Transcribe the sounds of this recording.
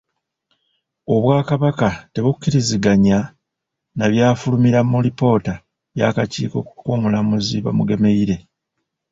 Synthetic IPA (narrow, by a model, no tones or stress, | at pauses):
o̞βwaːkaβakate̞βukːiɾiziɡaɲa | naβjaːfulumiɾamulipo̞ːta | βja̰kaciːko̞kukoːmulamuziβa̰muɡe̞me̞iɾe̞